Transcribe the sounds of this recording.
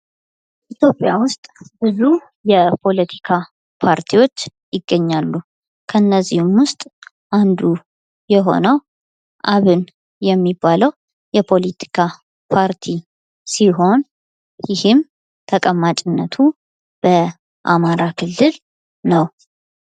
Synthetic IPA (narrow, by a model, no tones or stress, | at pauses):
ʔit̪jo̞pʼjawʊst̪ʼb̥ɨzu | jɛpʰo̞lət̪ʰi̥kʰa | pʰaɾt̪ʰiwo̞t͡ʃːjɪɡːəɲːalːu | kʰənːəzːihumwʊst̪ʼ | ʔand̪u | jɛɦo̞̰nəw | ʔaβɨn | jɛmːibːaləw | jɛpʰo̞lit̪ʰi̥kʰa | pʰaɾt̪ʰi | siɦo̞n | jɪhɨm | t̪ʰəkʼəmːat͡ʃʼɪnːət̪ʰu | b̥ə | ʔamaɾakʰɨlːɨl | nəw